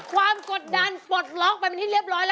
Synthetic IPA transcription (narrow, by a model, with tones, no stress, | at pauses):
kʰwaː˧mko˨˩t̪̚da˧npo˨˩t̪̚lɔː˦˥ŋ̚pa˧pe˧nt̪ʰiː˥˩ɾi˥˩əp̚ɾɔː˦˥jlɛ˦˥